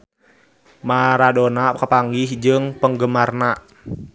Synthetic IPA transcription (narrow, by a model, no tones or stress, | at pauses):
maɾadonakəpaŋɡihd͡ʒɨŋpəŋɡəmarnaʔ